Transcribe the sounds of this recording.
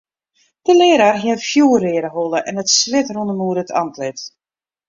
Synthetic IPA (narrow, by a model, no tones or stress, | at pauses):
d̥əlɪəɾarɦɪfjuːərɪəɾəɦolˠəʔɛnətslɪtrundəmuəɾətʰɑ̰ntʰlɪt